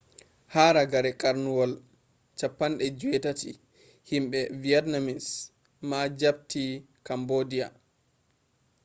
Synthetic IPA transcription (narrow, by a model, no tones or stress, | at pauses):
haɾaɡaɾɛkʼaɾnuwɔl | t͡ʃapːanɗɛd͡ʒuwɛtatḭ | himɓɛviɛtnamins | mad͡ʒab̚ti | kambodija̰